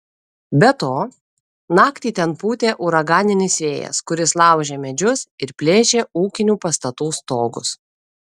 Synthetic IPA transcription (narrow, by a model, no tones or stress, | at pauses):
bʲɛt̪oː | nɑːkt̪ʲiːt̪ʲɛnpuːt̪ʲeːʔʊɾɐɡɑːnʲɪnʲɪsʲʋʲeːjɛ̰skʊɾʲɪslˠɑˑʊʒʲeːmʲɛd͡ʒʲʊsɪɾpʲlʲeːʃʲeːuːkʲɪnʲuːpɐst̪ɐt̪uːst̪oːɡʊ̰s